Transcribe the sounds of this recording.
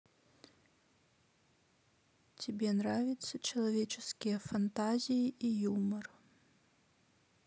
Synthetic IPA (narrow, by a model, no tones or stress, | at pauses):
t͡sʲabʲɛnravʲit̪sːɐt͡ʃɐlˠavʲɛt͡ʃɛskʲijɐfant̪azʲijiʔijumɐr